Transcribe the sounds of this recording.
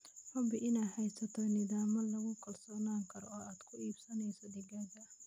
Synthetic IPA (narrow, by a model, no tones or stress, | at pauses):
ħʊbɪʔɪnaːħɛjsɐt̪ʰɔnɪðaːmɐlɐɣʊkʰɐlsɔːnaːŋkʰɐɾɔːaːd̪̥kʰʊiːb̥sɐnɛjsɔd̪ɪɡɐɡɐ